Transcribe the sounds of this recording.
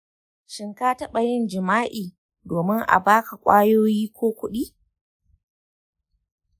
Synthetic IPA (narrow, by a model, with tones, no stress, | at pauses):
ʃɪ˨ŋkaː˦tɐ˦ɓa˨jɪ˦˨nd͡ʒɪ˨maː˦ʔiː˨ | doː˨mɪ˦ŋʔa̰˨baː˦ka˨kʷʼaː˦joː˦jiː˦kʷoː˦kʷʊ˦ɗiː˦